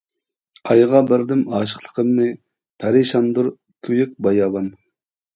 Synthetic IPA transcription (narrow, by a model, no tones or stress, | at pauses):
ɑjʁɑbɪɾd̪ɪmɑːʃə̥χlˠə̥qʰəmnɨ | pʰæɾɪʃɑnd̪uɾ | kʲʰyjyk̚ʲbɑjɑːbɑn